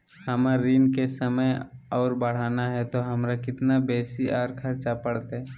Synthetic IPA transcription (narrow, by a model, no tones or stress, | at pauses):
həməɾːiːnkesəməjɔːɾbəɽ̤aːnaɦɛt̪oɦəmɾakɪt̪nabeːsiʔɔːɾkʰəɾt͡ʃapəɽt̪ɦɛ